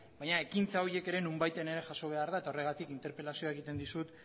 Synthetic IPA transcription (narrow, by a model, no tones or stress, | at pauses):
bajɲae̞kint͡sao̞ɾie̞ke̞ɾe̞numbajt̪ene̞ɾe̞ʝaso̞β̞e̞aɾðae̞t̪ao̞re̞ɣ̞at̪ikint̪e̞ɾpe̞lasioae̞ɣ̞it̪e̞nd̪isut̪